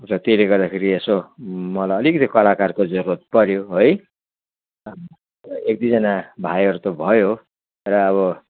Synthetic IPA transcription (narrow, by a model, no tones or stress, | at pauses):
rʌt̪eleɡʌrd̪akʰeɾiesomʌlaʌlikʌd̪ikʌlakarkod͡zʌɾuat̪̚pʌɾjoɦoj | ekd̪id͡zʌnabʱajʌɾut̪obʱʌjo | rʌːβʌ